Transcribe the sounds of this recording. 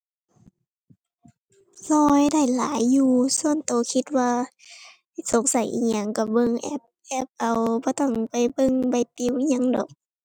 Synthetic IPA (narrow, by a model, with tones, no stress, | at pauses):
lɔː˧jda˥˩jla̰ː˨˦jːuː˧su˧˨ənt̪oː˨˦kʰi˧t̪̚waː˧ | a˥˧˩jso˨˦ŋsa˨˦jʔḭ˧˨ɲa˧˩ŋka˧˩bɤ˧˨ŋʔɛ̰˧˥p̚ʔɛ˧˦p̚ʔa˨˩wbɔː˧˦t̪ɔ˥˩ŋpa˨˩jbɤ˧˨ŋba˧˩jt̪i˧˨wʔi˧ɲa˧˥ŋdɔ̰ː˨˦k̚